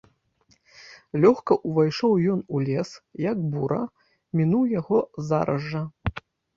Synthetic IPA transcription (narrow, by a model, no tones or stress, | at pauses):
lʲɔxkɐʔuvajʂɔwjɔnulʲɛsjɐkbuɾɐ̰ | mʲinuwjaɣɔza̰ɾɐʐːɐ